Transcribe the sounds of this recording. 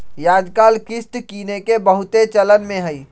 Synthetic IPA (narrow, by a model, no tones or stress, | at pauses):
jaːd̪kaːlkɪsʈ̪kiːnekebəɦʊt̪et͡ʃələnmẽɦəi